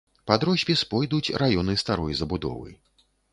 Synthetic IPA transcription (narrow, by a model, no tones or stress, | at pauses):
pad̪ɾɔsʲpʲispɔjd̪ut͡sʲɾajɔnɨst̪aɾɔjzɐbud̪ɔ̰vɨ̰